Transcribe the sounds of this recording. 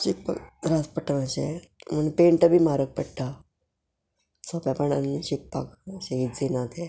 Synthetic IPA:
ɕik̚pa̰kɾaspəʈːənaɕe | mənpeɳʈ̪əbʱiːmaɾək̚pəɽʈa | səpjapəɳa̰nːiɕik̚pa̰kəɕeid͡zenat̪ʰe

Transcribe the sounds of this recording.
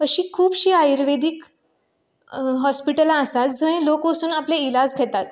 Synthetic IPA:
əɕiːkʰuːbɕiːajɾʋed̪ik | ɦɔspiʈəlaːsat̪d͡zʱəɽ̃ẽlokosuːnapleilad͡zkʰɛt̪at̪̚

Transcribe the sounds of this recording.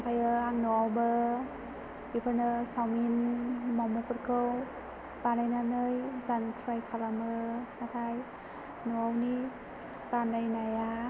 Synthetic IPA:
pʰajɯaŋnoawbə | dipʰɯnɯsawminːawmɔpɯt̚kʰɯw | banajnanɯjzantʰɾajkʰalamɯnat̪ʰaj | nuawni | kanajnaja

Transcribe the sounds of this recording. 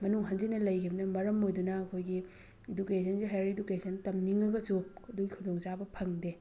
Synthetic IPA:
mɐnuŋɦɐnzinɐlɐjkʰibɐnɐmɐɾɐmojdunɐːkʰojɡi | edukesʰɐnsiɦajɾedukesʰɐntɐmniŋɐɡɐsuɐduɡikʰudoŋt͡ʃabɐpʰɐŋde

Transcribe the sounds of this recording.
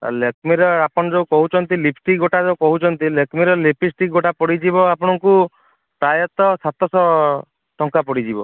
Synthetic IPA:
lekmiɾɔapɔnɔd͡ʒeukɔɦut͡ʃʰɔnt̪ilipʰʈiɡoʈad͡ʒeukɔɦut͡ʃʰɔnt̪ilekmiɾɔlepisʈiɡoʈapɔɽid͡ʒibɔapɔɽ̃ɔŋku | pɾajɔt̪ɔsat̪ɔsɔ | ʈɔŋkapɔɽid͡ʒibɔ

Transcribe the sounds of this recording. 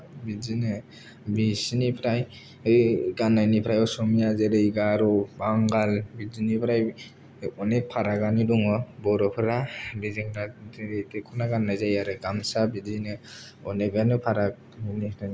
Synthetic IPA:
bid͡ʒinɯ | bisinipʰɾaj | ɯɡanːajnipʰɾajɔwsɔmijazeɾɯjɡaɾɔbaŋɡalbizinipʰɾaj | ɔnepʰaɾaɡanidɔŋɔbɔɾɔpʰɯɾabiziŋɾaɾejtʰekʰunaɡanːajzajaɾɯɡamsabizinɯ | ɔnebanɯpʰaɾa | nia

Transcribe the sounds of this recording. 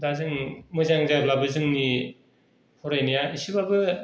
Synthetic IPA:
dazɯŋmɯzaŋzajblabɯzɯŋni | hʰɔɾajnijaisibabɯ

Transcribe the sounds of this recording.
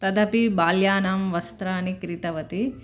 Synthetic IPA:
t̪ɐd̪ɐpibaːljaːnaːmʋɐst̪ɾaːnikɾit̪ɐʋɐt̪i

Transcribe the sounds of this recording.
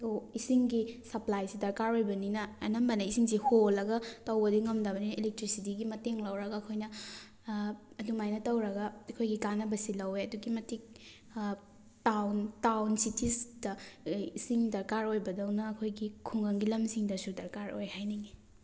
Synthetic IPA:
dɐwisiŋɡisɐplajsidɐɾkaɾojbɐninɐːnɐmbɐnɐisiŋsiholːɐɡɐtɐwbɐdiŋɐmdabɐninɐilek̚tɾisitiɡimɐteŋlɐwɾɐɡɐːkʰojnɐ | ɐdumajnɐtɐwɾɐɡɐɐkʰojɡikanɐbɐsilɐweɐduɡimɐtik̚ | tawntawnsitʰisdɐisiŋdɐɾkaɾojbɐdɐwnɐːkʰojɡikʰuŋɐŋɡilɐmsiŋdɐsudɐɾkaɾo̰jhajniɡi

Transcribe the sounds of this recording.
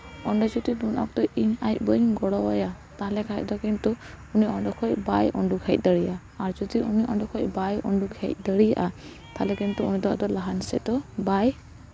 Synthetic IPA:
ɔɳɖɔd͡ʒɔd̪id̪unɔ̰k̚t̪ɔʔiɲajt̚bɔiŋɡɔɽɔwɔja | t̪aɦlɛkʰajt̚ˀd̪ɔkint̪u | uniɔɳɖɔkʰɔjbajɔɳɖukʰɛt̚ˀd̪əɽija | aɾd͡ʒɔd̪iuniʔɔɳɖɔkʰɔj̚bajɔ̰ɳɖukʰɛt̚ˀd̪əɽija̰ʔa | t̪alɛkint̪uunid̪ɔd̪ɔlaɦansɛ̰d̪ɔbaj

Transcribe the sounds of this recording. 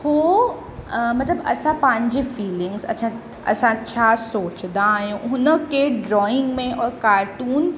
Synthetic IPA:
hoː | mɐt̪ləbɐ̰sãpãɦɪ̃ɲd͡ʑefiːlɪ̃ŋɡzɐ̰t͡ɕʰã | ɐ̰sãt͡ɕʰaːsoːt͡ɕnd̪aːɦjũɦʊnə̆kʰeɖɾɔːɪ̃ŋɡmẽʔɔːɾkaːɾʈuːn

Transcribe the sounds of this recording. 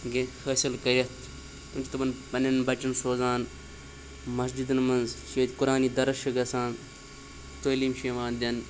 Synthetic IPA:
ɡefəːsɪlkɐɾɐt̪ʰ | t̪umt͡ʃit̪ɐbɐnpɐnɐnbɐt͡ʃɐnsoːzaːn | mɐsd͡ʒid̪ɨnmɐnzʃeːt̪ʲkʊɾaːniːd̪ɐɾɐʃɐɡɐsaːn | t̪oːliːmʃemaːnd̪ʲɐn

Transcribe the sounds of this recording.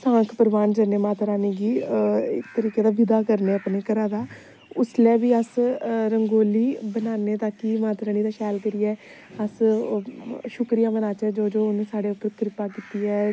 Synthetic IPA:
sãːkʰpəɾʋaːnd͡ʒəːneːmãːt̪ɾaːniːɡiːɪkt̪əɾiːkeːd̪aːʋɪd̪aːkəɾneːəpneːkəɾãːd̪aː | ʊslɛːʋiːəsɾəŋɡoːliːbənaːneːt̪aːkiːmãːt̪ɾaːniːd̪aːʃɛːlkəɾiːɛː | əs | ʃʊkɾijaːmənaːt͡ʃɛːd͡ʒoːd͡ʒoːʊñːsaːɽeːʊpːəɾkɾɪpaːkiːt̪iːɛː

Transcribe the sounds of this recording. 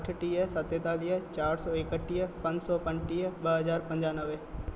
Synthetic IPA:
ʈʰʈiəsət̪jet̪aːlijət͡ʃaːɾsɔːɪkəʈːijəpɐ̃ɲd͡ʒsɔːpə̃ɲʈijəɓəɦəzaːɾpə̃ɲd͡ʒaːnəʋe

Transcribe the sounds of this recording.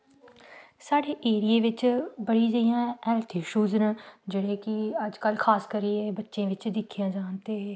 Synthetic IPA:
saːɽeːʔeːɾijeːʋɪt͡ʃbəɽiːd͡ʒəijãːɛːlt̪ʰiːʃuːznd͡ʒeɽeːkɪəd͡ʒkəlkʰaːskəɾiːeːbətːʃẽːʋɪt͡ʃd̪ɪkʰːijãːd͡ʒaːnt̪eːeː

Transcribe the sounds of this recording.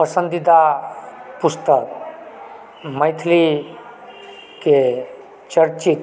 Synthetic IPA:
pəsənd̪id̪a | pust̪ək | məjt̪ʰli | ke | t͡ɕəɾt͡ɕit̪

